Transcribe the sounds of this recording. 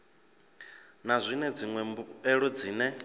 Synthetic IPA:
nazʷinɛd͡ziŋwɛmɛɺɔd͡ziːnɛ

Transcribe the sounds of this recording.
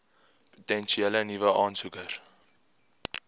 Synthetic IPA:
po̥tɛnʃiɛlənivəʔɑːnsukər

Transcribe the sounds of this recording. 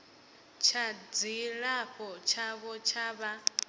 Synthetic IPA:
t͡ʃʰad͡ziɺaɸɔt͡ʃʰaβɔt͡ʃʰaβa

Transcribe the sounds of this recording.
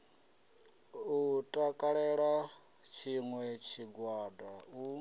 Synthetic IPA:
utʼakʼaɺɛɺa | t͡ʃʰiŋwɛt͡ʃʰiɡwaːdau

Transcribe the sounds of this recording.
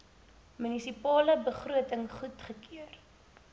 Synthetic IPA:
mynisipɑːləbəχruətəŋχutχəkiər

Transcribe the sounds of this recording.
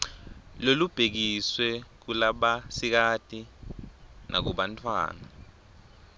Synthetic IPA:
lolub̥ʱek̬iswɛk̬ulaɓasik̬ad̥ʱʼi | nʔa̰k̬uɓantʰʼwa̰ːna̰

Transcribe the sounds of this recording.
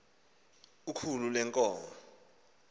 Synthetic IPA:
ukʰululɛŋkʼɔːmɔ

